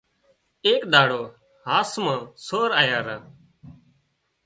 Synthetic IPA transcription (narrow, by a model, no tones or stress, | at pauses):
eːkɗ̪aːɽoː | ɦaːsmãːsoːɾaːjaːɾaː